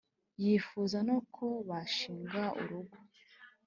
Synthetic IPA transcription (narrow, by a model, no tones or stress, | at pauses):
jifuzanokʰo̞βaʃiːŋɡaṵɾuɡo